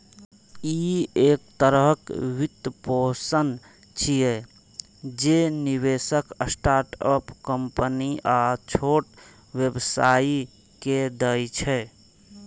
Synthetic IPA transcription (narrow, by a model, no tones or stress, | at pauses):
iek̚t̪əɾəɦkʋit̪əposən | t͡ʃʰije | d͡ʒeniβesəkəsʈaɾʈə̰pkəmpəniʔat͡ʃʰoʈ | ʋjebsai | ked̪əjt͡ʃʰɛ